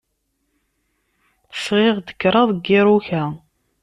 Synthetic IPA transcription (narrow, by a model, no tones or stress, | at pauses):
əsʁeʁd̪ə̥kːɾˤɑðˤɡːɪɾˤuçæ